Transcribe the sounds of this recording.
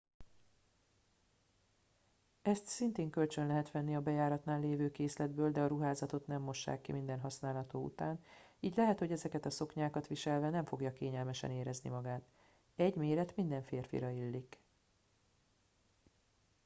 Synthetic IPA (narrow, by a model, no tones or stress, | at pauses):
ɛst̪sint̪eːŋkø̞lt͡ʃønlɛɦɛt̪ʋɛnːiɒbɛjaːɾɒt̪naːlːeːvøːkeːslɛd̪bøːld̪ɛɒɾuɦaːzɒt̪o̞t̪nɛmːo̞ʃːa̰ːkːimind̪ɛnɦɒsnaːlɦɒt̪oːṵt̪aːniːɟlɛɦɛt̪ho̞ɟɛzɛkɛt̪ɒso̞kɲaːkɒt̪ʋiʃɛlvɛnɛɱfo̞ɡjɒkeːɲɛlmɛʃɛ̰neːɾɛznḭmɒɡaːt̪ | ɛɟmeːɾɛt̪mind̪ɛɱfeːrfḭɾɒilːik